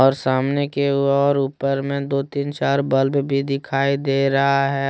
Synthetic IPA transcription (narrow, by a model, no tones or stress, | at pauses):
ɔːɾsaːmnekeɔːɾuːpəɾmẽd̪oːt̪iːnt͡ʃaːɾbəlbbʱid̪ɪkʰaːid̪eːɾɐɦaɦɛ